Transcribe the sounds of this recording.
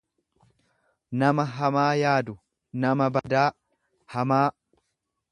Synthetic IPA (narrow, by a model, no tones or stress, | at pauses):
nɐmɐɦɐmaːjaːd̪ʊ | nɐmɐbɐd̪aː | hɐmaː